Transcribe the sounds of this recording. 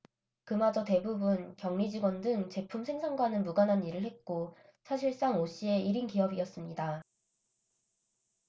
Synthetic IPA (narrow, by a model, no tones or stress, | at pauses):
kɯmad͡ʑʌte̞bubunkjʌŋɲid͡ʑiɡwʌndɯŋt͡ɕe̞pʰumsʰe̞ŋsʰaŋɡwanɯnmuɡanɦaniɾɯɭhe̞t̚k͈o | sʰaɕʰiɭs͈aŋoɕ͈ie̞iɾinkiʌbiʌs͈ɯmɲida